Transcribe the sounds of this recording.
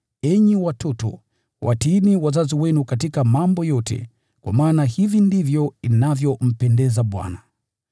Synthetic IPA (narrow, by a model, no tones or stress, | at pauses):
ɛɲiwatɔtɔ̰ | wʔa̰tiːniwazaziwɛnukatikamambɔjɔtʰɛ̰ | kwa̰maːnahivindivjɔinavjɔm̩pɛndɛzaɓwa̰na